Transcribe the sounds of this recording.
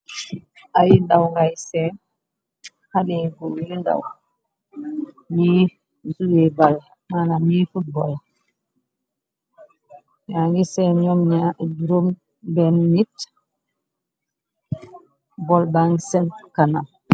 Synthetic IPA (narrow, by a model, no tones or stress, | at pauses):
ʔajindawŋɡajsɛ | haɗɛɡɔjinda̰w | mi | zujɛbal | manamifut̚bɔl | ɲaŋɡisɛɲɔmɲaduɾom | bɛnːit | bɔlbaŋɡsɛnkanam